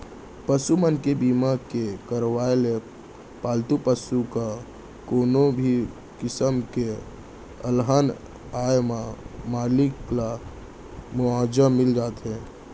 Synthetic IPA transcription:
pəsumənkebiːmakekəɾwaːele | paːlt̪upəsuka | koːnobʱi | kɪsəmke | əlɦaːn | aːjmamaːlɪkla | mʊaːd͡ʒəmɪld͡ʒaːt̪ɦɛ̃ː

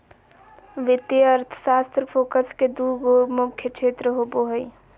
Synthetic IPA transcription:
ʋɪt̪jeəɾt̪ʰə̥saːst̪ɾəpʰoːkəsked̪uɡomʊkʰjət͡ʃʰeːt̪ɾəɦoboɦəj

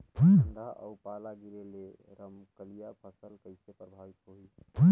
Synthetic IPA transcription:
bʱuɳdaʔə̰upalaɡiɾele | ɾəmkəlijapʰəsəlkəɪsepɾəbʱaʋit̪ɦoi | bə

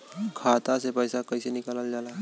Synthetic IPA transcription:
kʰat̪asepəjsakəjsenikalald͡ʒala

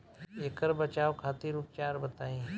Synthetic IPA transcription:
eːkəɾbət͡ʃaːokʰaːt̪iɾuːp̚t͡ʃaːɾbɐt̪aːẽ

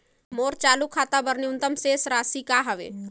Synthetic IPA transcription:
moːɾt͡ʃaːlukʰːaːt̪abəɾniʊnt̪əmseːsɾaːsikaɦɐʋḛː

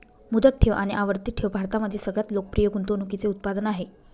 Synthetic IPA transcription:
mud̪ək̚ʈʰeʋʔaɽ̃iʔaʋəɾt̪iːʈʰeʋbʱaɾt̪aməd̪ʱjesəɡɭjat̪lokə̥pɾijəɡunt̪onukit͡seut̪̚pad̪ənaɦe

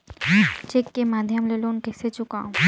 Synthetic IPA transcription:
t͡ʃekːemaːd̪ʱjəmleːloʊnkɛːset͡ʃʊka̰ːũ

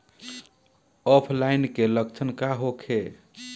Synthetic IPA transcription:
ɔpʰlajnkeləkt͡ʃʰənkaɦokʰe

